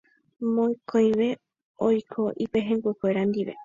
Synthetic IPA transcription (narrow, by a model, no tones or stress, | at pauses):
mõj̃kʰõj̃ʋe̞ | ojkʰo̞ʔipeɦẽŋɡʷekʷeɾand̪iʋe̞̰